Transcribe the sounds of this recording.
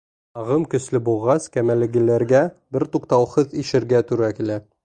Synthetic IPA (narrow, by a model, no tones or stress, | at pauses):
ɑʁɤmkɵ̆slɘbulˠʁɑskæmælɘ̆ɡɘ̆læɾɡæbɘɾt̪uqt̪ɑwhɤðiʃɘ̆ɾɡæt̪ʉɾækilæ